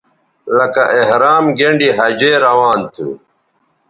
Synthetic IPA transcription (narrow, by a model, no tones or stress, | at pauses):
lɐkɐʔeɦɾaːmɡeɳɖiɦɐd͡ʑeːɾɐwaːnt̪ʰṵ